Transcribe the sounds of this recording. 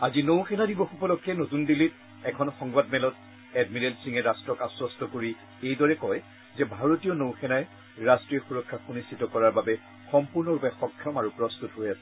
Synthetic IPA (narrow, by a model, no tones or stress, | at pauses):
azinowxʰɛnadibɔxupɔlɔkʰːɛnotundilit | ɛkʰɔnxɔŋɡbadmɛlɔt̚ | ɛdmiɹɛlsiŋɛɹastɹɔkaswɔstɔkoɹi | ejdɔɹɛkɔj | zɛbʱaɹotijɔnowxʰɛnaj | ɹastɹiɔxuɹɔkʰːaxunistʰitɔkɔɹaɹbabɛ | xɔmpuɹnɔɹupɛxɔkʰːjɔmaɹupɹɔst̪utɦojasɛ̥